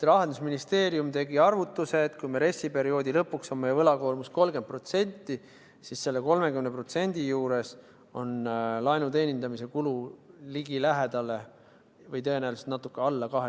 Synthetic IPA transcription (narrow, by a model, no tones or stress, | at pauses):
t̪ɾɑɦend̪usminist̪e̞ːɾiumt̪e̞ɡiɑrvut̪ːˑuse̞ːt̪kujmeɾe̞sːipe̞ɾio̞ːd̪ilɤpːˑuksomːejɑvɤlɑko̞ːlmusko̞lɡepro̞t̪se̞nʲt̪ːˑi | sisse̞lːeko̞lme̞kymnepro̞t̪se̞nʲd̪̥ijuːɾe̞s | o̞nlɑjnut̪e̞nʲind̪ɑmise̞kululiɡilæɦe̞d̪̥ɑle̞ | vɤjt̪ɤenæelse̥t̪nɑt̪ːˑukːˑeɑlːɑkɑɦe